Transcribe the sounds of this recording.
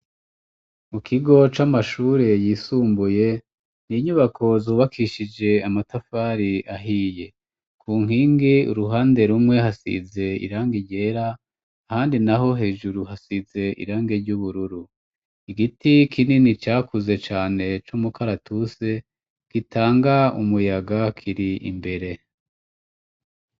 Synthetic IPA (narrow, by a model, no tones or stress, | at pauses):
mukʰiɡo̞t͡ʃamaʃuːɾe̞jiːsuːmbuje̞ | niɲuβakʰo̞zuːβakʰiʃid͡ʒe̞amatafaːɾiʔaɦiːje̞ | kʰuːŋ̥ɦiːŋɡiuɾuɦaːnde̞ɾumŋe̞hasḭze̞ḭɾaːŋɡiɟe̞ːɾaː | haːndinaɦo̞ɦe̞ːʒuɾuɦasize̞ʔḭɾaːŋɡe̞ɾɟuβuɾuɾu | iɡitikʰininit͡ʃaːkuze̞t͡ʃaːne̞t͡ʃumukʰaɾatʰuse̞ | ɡ̥itʰaːŋɡaumujaɡakʰiɾiḭmbe̞ɾe̞